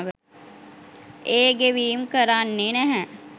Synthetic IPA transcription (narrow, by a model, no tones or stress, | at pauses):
ʋə | eːɡeʋiːmkəɾanːenæɦɛ